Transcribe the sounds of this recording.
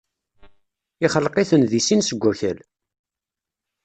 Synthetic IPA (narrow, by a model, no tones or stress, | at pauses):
ɪχəlqiθənðisinsəɡʷːæçəl